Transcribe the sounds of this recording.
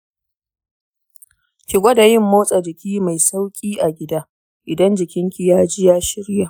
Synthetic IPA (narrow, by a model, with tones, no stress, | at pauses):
kʲɪ˨ɡʷɐ˦da˨jɪ˦˨mːoː˦sʼa˨d͡ʒɪ˨kʲiː˦ma˨jsa˦wkʲʼiː˦ʔa˨ɡʲɪ˦daː˦ | ʔɪ˨dɐ˦nd͡ʒɪ˨kʲɪ˦ŋkʲi˨jaː˦d͡ʒɪ˦jaː˦ʃɪ˦ɽja˨ʔ